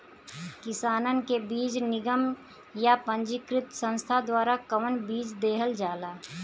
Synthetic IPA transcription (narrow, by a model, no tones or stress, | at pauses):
kɪsaːnənkebiːd͡ʒnɪɡəm | japə̃ɲd͡ʒɪkɾɪt̪sə̃nst̪ʰad̪waːɾakəʋənbiːd͡ʒd̪eːɦəld͡ʒaːlaː